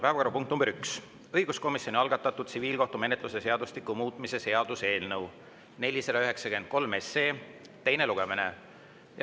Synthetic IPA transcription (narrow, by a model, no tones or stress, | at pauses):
pæevɑkɑɾupuŋk̚t̪numb̥eɾyks | ɤjɡ̥usko̞misjonʲiɑlɡ̥ɑt̪ːˑɑt̪ːˑud̪̥̚siviːlko̞ht̪ume̞net̪ˑluse̞se̞ɑd̪uslikːˑumuːt̪ːˑmise̞se̞ɑd̪̥use̞ːlnɤw | ne̞lʲised̪ɑyɦe̞ksɑke̞nd̪̥̚ko̞lme̞se̞ː | t̪ːe̞jne̞luɡ̥eminḛ | j